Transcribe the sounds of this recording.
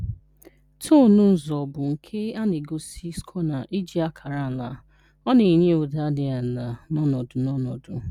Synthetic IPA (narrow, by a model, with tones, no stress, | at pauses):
tʰo˦˨nʊ˦n̩˨zɔ˨bʊ˨ŋ̩˨kʰe˦a˦ne˨ɡo˨si˦skʰɔ˦na˨ʔi˦d͡ʒi˨˦a˦kʰa˨ɾa˦˨la˨ | ɔ˦ne˨ɲe˦o˨da˦dɪ˨a˨na˨nɔ˦nɔ˨dʊ˨nɔ˦nɔ˨dʊ˨